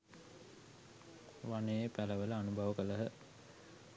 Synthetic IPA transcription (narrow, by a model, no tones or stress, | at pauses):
ʋanejepæləʋələanubʱaʋəkələɦə